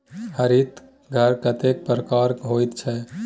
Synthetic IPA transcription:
həɾit̪ | ɡʱəɾkət̪ek̚pɾəkaɾɦojt̪t͡ʃʰɛ

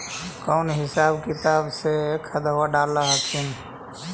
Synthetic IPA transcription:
kɔʊnɦɪsaːbkɪt̪aːbsekʰəd̪əwaɖaːlaɦəkʰin

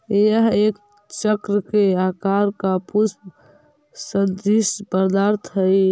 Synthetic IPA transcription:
jəɦek | t͡ʃəkɾəkeakaɾkapus | sənd̪ispəɾd̪aɾt̪ʰɦəj

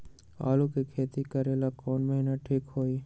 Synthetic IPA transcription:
a̰ːluːkekʰeːt̪ikəɾeːlakoːnməɦinaʈʰiːkɦoːiː

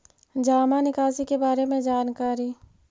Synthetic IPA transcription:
d͡ʒaːmanɪkaːsikebaːɾemẽd͡ʒaːnkaːɾi

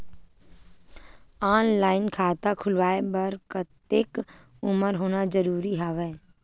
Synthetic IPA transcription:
aːnlaːɪnkʰaːt̪akʰʊlʋaːebəɾkət̪eːk | ʊməɾɦoːnad͡ʒəɾuːɾiɦaːʋɛː

